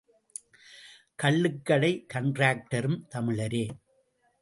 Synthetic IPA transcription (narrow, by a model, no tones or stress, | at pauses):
kɐɭːɯkːɐɭɐɪkɐɳɖraːk̚ʈɐɾɯmt̪ɐmɪɭɐɾeː